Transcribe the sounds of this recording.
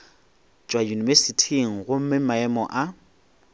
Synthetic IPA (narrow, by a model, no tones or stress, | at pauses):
t͡ʃʼwajunivɛsitʰiŋ̩ɣʊm̩mɪmaɛmɔʔa